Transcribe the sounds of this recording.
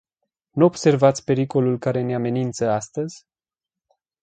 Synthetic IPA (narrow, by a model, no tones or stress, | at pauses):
nuo̞bse̞rvat̪sʲpe̞ɾiko̞lulkaɾe̞neame̞nint̪səast̪əzʲ